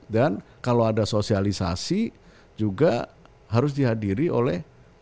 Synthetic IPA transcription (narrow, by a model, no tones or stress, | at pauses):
dankaloadasosialisa̰si | d͡ʒuɡa | ɦaɾʊs̬diɦadiɾiʔo̰lɛh